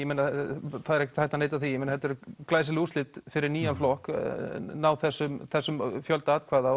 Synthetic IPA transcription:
jɛmejnːaθaðɾɛhçcɪ̥t̪hajht̪aneːjt̪aθijɛmeːnahɛt̪ɛɾklaːjsɪlust̪ɪt̪fɪɾɪɾniːjanflɔhknaːwθɛsːʏmθɛsːʏmfjœlt̪aaːt̪kʰvaːða

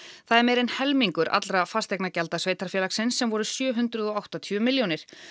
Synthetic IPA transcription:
θaðɛɾmɛejɾenhɛlmiŋkʏɾʔa̰t̪lɾafast̪ɛjknacɛlt̪asveːjt̪aɾ̥fjɛːlaksɪnsːɛmvɔɾʏsjœːɦʏnt̪ɾʏðɔawht̪at̪ʰœmɪljownɪɾ̥

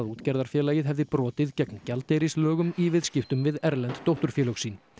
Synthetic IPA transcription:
ðuːt̪cɛɾðaɾ̥fjɛːlaːjɪðɦɛvðɪpɾɔːt̪ɪðcɛkncalt̪ejɾɪslœːɣʏmivɪðscɪft̪ʏmvɪðɛɾlɛnt̪ːowht̪ʏɾ̥fjɛːlœɣsiːn

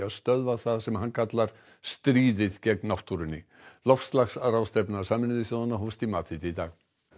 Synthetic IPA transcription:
aðst̪œðvaθaðsɛmhankʰat̪laɾ̥ | st̪ɾiːðɪðcɛknawft̪uɾʏnːɪ | lɔfst̪laxsaɾawst̪ɛpnasaːmɪnʏðɪsɔðanːaɦɔwst̪imaːt̪ʰɪt̪ɪit̪a̰ɣ

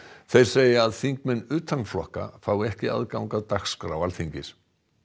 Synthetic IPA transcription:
θejɾ̥seːjaaðθiŋkmɛnːʏːt̪ʰanmflɔhka̰faːwɛhcɪa̰ðkawŋkaðt̪axskɾawalθiɲcɪs

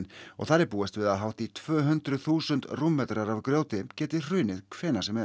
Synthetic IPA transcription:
nɔ̰ɣθaɾɛɾpuːɛst̪vɪðaðɦawht̪it̪ʰvœːɦʏnt̪ɾʏθuːsʏnt̪rumːɛːt̪ɾaɾavkɾjoːwt̪ɪcɛːt̪ɪr̥ʏːɥnɪðkʰvɛːnasɛmɛ

